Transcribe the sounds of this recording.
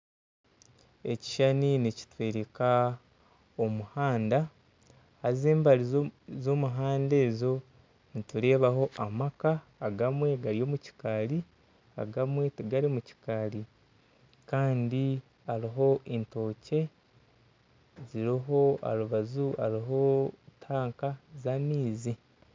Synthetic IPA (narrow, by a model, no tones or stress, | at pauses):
e̞ci̥ʃaninici̥tweːɾeka | omuhaːnda | hazeːmbaɾizomuɦaːnde̞ːzo̞ | nituɾe̞ːβaɦo̞ʔamakaː | ɡamwe̞ɡaɾijo̞ːmuci̥kaɾi | a̰ɡamwe̞tuɡaɾimuci̥kaɾi | kaːndi | aɾiɦo̞ʔinto̞ːce̞ | ziɾiɦo̞a̰ɾuβazua̰ɾiɦo̞tʰaːŋkazamiːzi